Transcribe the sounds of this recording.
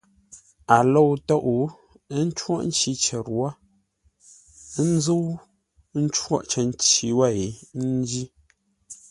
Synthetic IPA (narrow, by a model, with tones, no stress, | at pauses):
a˨lo˦˨wtɔ˦ʔu˨˦ | n̩˦t͡ʃwɔ̰˦ʔn̩˦t͡ʃi˦t͡ʃə˨ɾwa˦ | n˦zo˦w | n̩˦t͡ʃwɔ̰˦ʔt͡ʃə˨n˦t͡ʃi˨wa˦˨i˨n̩˦d͡ʒi˦